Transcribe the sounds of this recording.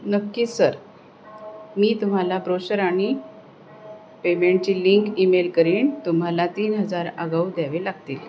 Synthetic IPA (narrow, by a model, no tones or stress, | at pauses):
nəkːiːsəɾ | miːt̪um̤alabɾoɕəɾaɽ̃i | pemeɳʈ̚t͡ɕiːliŋkimelkəɾiːnt̪um̤alat̪iːnɦəd͡zaɾəɡaud̪jaʋelaɡt̪iːl